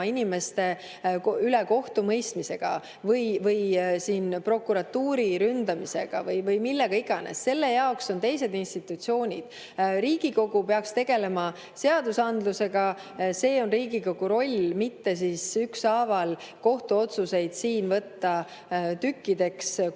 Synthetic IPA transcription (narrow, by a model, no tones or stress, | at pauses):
inʲime̞st̪e̞ | yleko̞ht̪umɤjst̪mise̞ɡ̥ɑ̰ | vɤjvɤjsiːnpro̞kːˑuɾɑt̪ːuːɾiɾynd̪ɑmise̞̰ɡ̥ɑ̰vɤjvɤjmilːe̞ɡ̥ɑiɡ̥ɑnḛsːe̞lːe̞jɑo̞kso̞nt̪e̞jse̞d̪inst̪it̪ːˑut̪sio̞ːnʲid̪̥ | ɾiːɡ̥iko̞ɡ̥upe̞ɑkst̪e̞ɡ̥e̞le̞mɑ | se̞ɑd̪usɑnd̪luse̞ɡɑ | se̞ːo̞nriːɡiko̞ɡ̥uɾo̞lʲmit̪ːe̞sisyksɑːvɑl | ko̞ht̪uo̞t̪suse̞jd̪̥siːnvɤt̪ːɑ | t̪ykːid̪e̞ks